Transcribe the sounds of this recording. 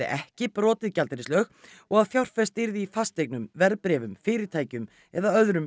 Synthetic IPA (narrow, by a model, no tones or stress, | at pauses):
ɪ̰ʔɛhcɪpɾɔːt̪ɪðcalt̪ɪɾɪslœːx | ɔɣaðfjawr̥fɛst̪ɪɾðɪifast̪ek̚nʏmvɛɾpɾɛːvʏmfɪːɾɪɾ̥t̪ʰaːjcʏm | ɛðaœðɾʏm